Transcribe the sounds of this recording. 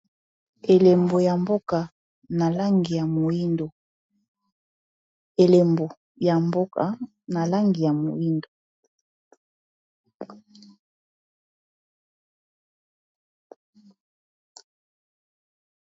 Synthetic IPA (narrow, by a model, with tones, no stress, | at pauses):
e˨le˨mbo˨ja˨mbo˦ka˨ | na˨la˦ŋɡi˨ja˨mo˨i˦ndo˨ | e˨le˨mbo˨ | ja˨mbo˦ka̰˨ | na˨la˦ŋɡi˨ja˨mo˨i˦ndo˨